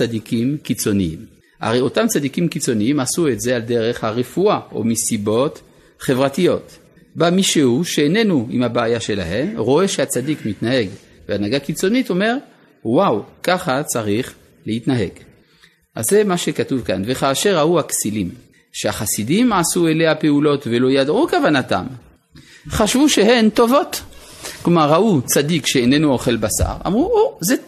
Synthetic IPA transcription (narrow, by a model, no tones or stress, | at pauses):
t͡sadikimkit͡so̞niḭm | ʔa̰ʁejo̞tamt͡sadikimkit͡so̞niimasuetzealde̞ʁeχhaʁefuaʔo̰misibo̞t | χe̞vʁatijot̪ | bamiʃehuʃeene̞nuḭmhabeajaʃe̞la̰he̞mʁo̞eʃeat͡sadikmitnaɦe̞ɡ | veanaɡakit͡so̞nito̞me̞ʁ | wawkaχat͡saʁiχ | lehit̪naɦe̞ɡ | ʔa̰zːemaʃekatuvka̰nveχaːʃeʁauhaksilim | ʃeaχasidimʕasueleape̞ulo̞tve̞lo̞jadʕukavanata̰m | χaʃvuʃeɦent̪o̞vo̞t̪klomaʁːaʔut͡sadikʃeenenuoχe̞lbasa̰ʁa̰mʁuoze